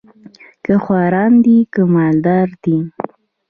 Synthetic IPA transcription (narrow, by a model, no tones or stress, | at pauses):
kəxwɑɾɑnd̪ikəmɑld̪ɑɾd̪̥i